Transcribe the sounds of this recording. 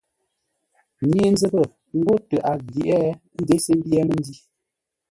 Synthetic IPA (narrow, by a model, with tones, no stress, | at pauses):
mje˦n˦zə˦bə˦˨ | ŋ̩˦ɡo˦tə˨ʔa˨ɡi˨ʔɛ˦ | n̩˦de˨˦sə˦m˦bjɛ˦mə˦n˦di˦